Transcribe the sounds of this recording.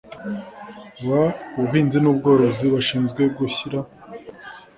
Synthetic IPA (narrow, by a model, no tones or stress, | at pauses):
βauuhiːnzinubɡo̞ːɾo̞ziβaʃiːnzɡwe̞bɡuçiɾa